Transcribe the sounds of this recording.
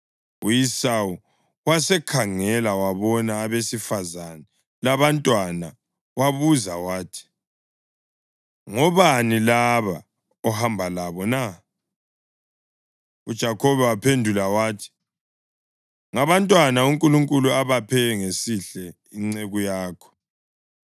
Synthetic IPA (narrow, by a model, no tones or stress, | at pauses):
ujisawu | wasɛkʰaŋɛlawaβɔnaːβesifazanɛ | laβantʼwana | waβuzawaːtʰi̥ | ŋɔβanilaβa | ɔhambʱalaβɔna | ud̥ʒ̥ʱakʰɔβɛwapʰendʱulawaːtʰi̥ | ŋaβantʼwanauŋkʼuluŋkʼuluaβapʰɛŋesiɬɛ | iŋ͡ǀeɣujaːkʰɔ̥